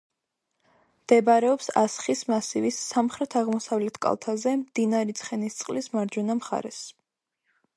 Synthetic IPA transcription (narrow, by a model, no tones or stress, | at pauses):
md̪̥ɛbaɾɛɔpsa̰sχismasivisːamχɾɛt̪ʰaʁmɔsavlɛt̪ʰkʼa̰lˠt̪ʰazɛmd̪̥inaɾit̪sʰχɛnist̪sʼqʼlismaɾd͡ʒunamχa̰ɾɛ̰s